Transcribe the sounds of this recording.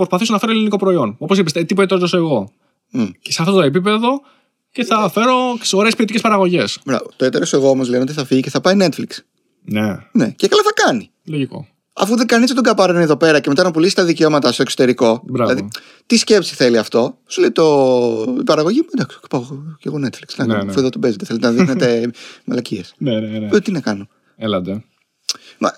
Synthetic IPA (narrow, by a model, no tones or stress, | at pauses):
pɾospɐθisonɐfe̞ɾoliniko̞pɾoio̞no̞po̞sipist̪et̪ipoet̪ɾot̪osoeɣo̞ | ceseɐft̪ot̪oep̬ipe̞ðo̞ | ce̞θɐfe̞ɾo̞oɾespiot̪icspɐɾɐɣo̞ʝe̞sbɾɐ̰vot̪oet̪eɾoseɣo̞omo̞zleneot̪̬iθɐfiʝiceθɐpɐine̞t̪fliks | nḛne̞cekɐloθɐkɐni | loʝiko̰ | ɐ̰fuðeɡɐnist̪et̪oɡɐpɐɾeneðope̞ɾɐcemeɐnɐpulisi̥st̪ɐðiceomɐt̪ɐst̪oso̥t̪e̞ɾiko̞bɾɐilɐði | t̪isce̞psi̥θe̞liɐft̪o̞suleit̪o̞ | bɐɾɐɣo̞ʝiend̪ɐkspɐoceɣone̞t̪flikst̪inɐkɐnɐfoeðot̪obezet̪eθelet̪enɐðixnet̪e̞mɐlɐciesneneot̪inɐkɐno̞ | elɐd̪e | mɐ̰